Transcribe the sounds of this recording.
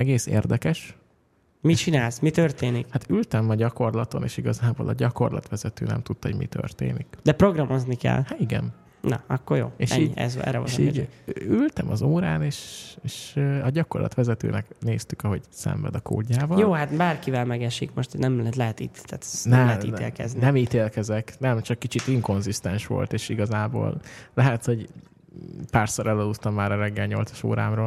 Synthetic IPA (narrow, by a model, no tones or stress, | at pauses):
ɛɡeːseːrd̪ɛkɛʃ | mit͡ʃinaːlsmit̪ørt̪eːnikhat̪ylt̪ɛmɒɟɒko̞rlɒt̪o̞neːʃiɡɒzaːboːlɒɟɒko̞rlɒ̰t̪ʋɛzɛt̪øːnɛ̰mt̪ut̪ːhoɟmḭt̪ø̰rt̪ḛːnikd̪ɛpɾo̞ɡrɒmo̞znikɛ̰lːhat̪iɡɛ̰n | nɒ̰ɒkːorjo̰ːeːʃɛiɲːɛ̰zɛ̰ɾɛvo̰iylt̪ɛmɒzoːɾa̰ːneːʃeːʃøɒɟɒko̞rlɒ̰t̪ʋɛzɛt̪ø̰ːnɛkneːst̪ykɒɦo̞ɟsɛ̰ɱvɛ̰d̪ɒko̰ːɟːaːbɒjoːɦat̪baːrkivɛlmɛɡɛʃikmoʃt̪nɛmt̪lɛɦɛt̪it̪ːat̪nɛmlɛɦɛt̪ḭːt̪ḛːlkɛ̰zninɛmiːt̪eːlkɛzɛknɛmt͡ʃɒkːit͡ʃit̪iŋko̞nzist̪ɛnʃʋo̞̰lt̪eːʃiɡɒzaːbo̰ːllɛɦɛt̪ho̞ɟ | paːrsoɾɛlɒlutt̪ɒmːaːɾɒɾɛɡːɛlɲo̞lt̪sɒ̥ʃo̰ːɾa̰ːmroːl